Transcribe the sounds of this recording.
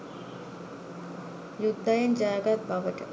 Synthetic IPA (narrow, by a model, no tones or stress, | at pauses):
jud̪ʱːajɐnd͡ʑaːɡat̪̚bʱaʋəʈə̰